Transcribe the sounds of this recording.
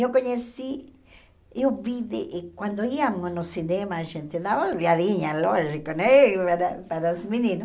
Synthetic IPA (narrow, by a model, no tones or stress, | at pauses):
jokoɲesi | joβiðeʔkwand̪oiaŋonosinemaʒent̪ed̪aβoljaðiɲaloʒikonepaɾapaɾasminĩno